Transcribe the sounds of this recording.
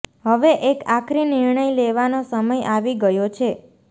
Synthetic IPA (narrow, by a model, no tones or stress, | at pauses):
ɦəʋeʔekakʰɾinɪɾɳəjleʋanosəməjaʋiɡəjot͡ʃʰe